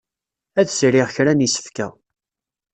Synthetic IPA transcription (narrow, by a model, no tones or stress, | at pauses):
æðsɾɪʁçɾænisə̥fkæ̰